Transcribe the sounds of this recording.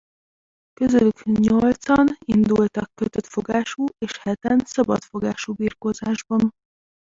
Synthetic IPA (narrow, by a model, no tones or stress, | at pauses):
køzølykɲo̞lt̪sɒnind̪ult̪ɒkːøt̪øt̪fo̞ɡaːʃuːeːʃhɛt̪ɛnsɒbɒ̰t̪fo̞ɡaːʃuːbiːrkoːzaːʒbɒn